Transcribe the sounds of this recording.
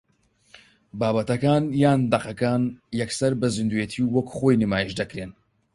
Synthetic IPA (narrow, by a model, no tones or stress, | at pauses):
baːbɐt̪ɐkaːnjaːnd̪ɐqɐkaːnjɛksɐɾbɐzɨnd̪ujet̪ʰiwwɐkχoːjnimaːjiʃd̪ɐkɾeːn